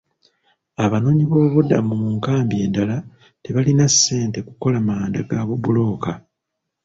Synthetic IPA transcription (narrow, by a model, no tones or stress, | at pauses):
aβano̞ːɲiβo̞ːβuda̰mumuŋkaːmbje̞dala | te̞βalinasːe̞ːnte̞kuko̞lamaːndaɡaːβubulo̞ːka